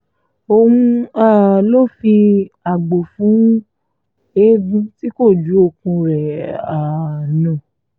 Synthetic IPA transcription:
o˧hũ˦˧a˦˨lo˦fi˧a˨ɡ͡bo˨fũ˨˦ | e˦bĩ˦ti˦ko˦˨d͡ʒu˨˦o˧kũ˧ɾɛ˨a˨nã˨

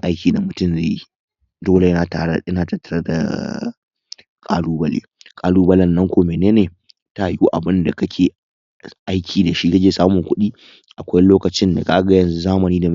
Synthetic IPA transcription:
ʔa˦jkʲiː˨da˨mʊ˨tʊ˦mze˦˨ji˦ | doː˦le˨ja˨ɐ˦naː˨ta˨tːɐ˦ɾɐ˦da̰˨ | kʼa̰ː˦luː˦bɐ˦lḛː˦ | kʼaː˦luː˦bɐ˦lɐ˦nːɐ˦ŋkʷoː˨meː˨neː˦neː˨ | ta˦˨juː˦ʔa˨bɪ˦nda˨kɐ˦kʲʰeː˨ | ʔa˦jkʲʰiː˨da˨ʃi˦ka˦d͡ʒeː˦˨saː˦mʊ˨ŋkʷʊ˦ɗiː˦ | ʔa˨kʷa˦jloː˦kɐ˨t͡ʃɪ˦nda̰˨kʼaː˦ɡɐ˦jɐ˨nzu˦zaː˦mɐ˨niː˦da˨m˦

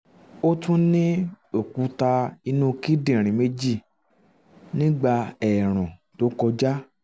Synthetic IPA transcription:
o˦tũ˦nĩ˦ | o˦˨ku˧˦ta˧i˧nũ˦˧ki˦dĩ˦˨ɾ̃ĩ˨˦me˦d͡ʒi˦˨ | nĩ˦ɡ͡ba˧ɛ˨ɾ̃ɔ̃˨to˨˦kɔ˧d͡ʒa˦

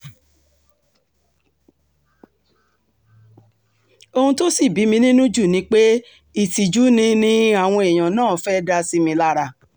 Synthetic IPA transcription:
o˧hũ˧to˦si˦˨bi˨˦mĩ˧nĩ˦nũ˦d͡ʒu˦˨nĩ˧˦k͡pe˦ | i˦˨ti˨d͡ʒu˨˦nĩ˧nĩ˦a˦˨w̃ɔ̃˧e˨j̃ã˨nãː˦˨fɛ˦da˧si˧mĩ˧la˦ɾa˧˨

